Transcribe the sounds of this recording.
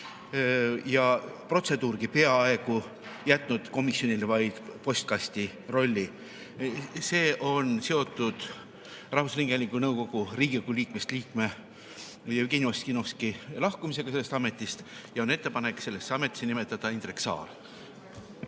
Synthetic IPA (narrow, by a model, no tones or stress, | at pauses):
jɑpro̞t̪se̞d̪uːrɡ̥ipe̞ɑɑe̞ɡ̥u | jæt̪ˑnud̪̥ko̞misjo̞nʲilvɑjd̪̥po̞st̪̚kɑst̪i | ro̞lʲːi | se̞ːʔo̞nse̞o̞t̪ːˑud̪̥ | rɑhvusliŋɡ̥eɑlʲiŋkunɤwko̞ɡ̥uriːɡiokuliːkmest̪liːkme̞ | jɑyɡ̥enʲioskino̞skilɑhkumise̞ɡ̥ɑse̞lːest̪ɑme̞t̪ːˑist̪jɑo̞net̪ːe̞pɑne̞kse̞lːe̞sːeɑmet̪ːˑi̥senime̞t̪ːˑɑd̪̥ɑint̪reksɑ̰ːl